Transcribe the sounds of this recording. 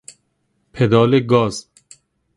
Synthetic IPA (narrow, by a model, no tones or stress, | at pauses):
pʰed̪ɒːleɡɒːz̥